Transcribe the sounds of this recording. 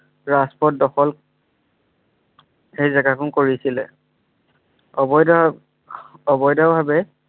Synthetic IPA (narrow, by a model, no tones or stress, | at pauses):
ɹaspɔt̚dɔxɔl | ejzɛɡakʊnkoɹisilɛ̰ | ɔbɔjda | ɔbɔjdaʊbʱabɛ